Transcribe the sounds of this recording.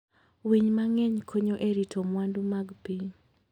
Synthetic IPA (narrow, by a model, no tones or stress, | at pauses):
wiɲmaŋɛɲkʰoɲoʔeɾitʰomwandumaɡpiɲ